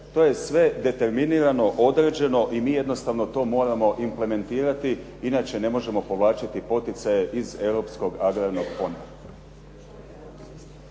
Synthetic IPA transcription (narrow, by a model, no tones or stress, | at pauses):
t̪o̞ːje̞sʋe̞d̪e̞t̪e̞ɾminiːɾano̞ʔod̪ɾeːd͡ʑe̞no̞ʔimiːje̞d̪no̞st̪aʋno̞t̪o̞ːmo̞ːɾamo̞ʔimple̞me̞nt̪iːɾat̪i | inaːt͡ʃe̞ne̞mo̞ʒe̞mo̞po̞ʋlˠaːt͡ʃat̪ipo̞t̪it̪saje̞ʔize̞wɾo̞ːpsko̞ɡaɡɾaɾno̞ɡ̥po̞na